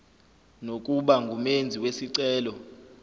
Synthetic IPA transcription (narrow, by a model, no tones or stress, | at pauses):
nok̬ʼuɓaŋɡʱumend͡zʱiwesiǀɛːlɔ